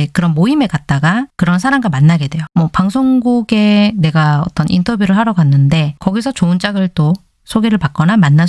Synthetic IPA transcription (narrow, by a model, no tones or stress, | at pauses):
ekɯɾʌnmoime̞kat̚t͈aɡakɯɾʌnsʰaɾamɡamanːaɡe̞dwe̞jomwʌpaŋsʰoŋɡuɡe̞ne̞ɡaʌt͈ʌnʔintʰʌbjuɾɯɭɦaɾʌɡanːɯnde̞kʌɡisʰʌt͡ɕoɯnt͡ɕ͈aɡɯɭt͈o | sʰoɡeɾɯɭpak̚k͈ʌnamanːa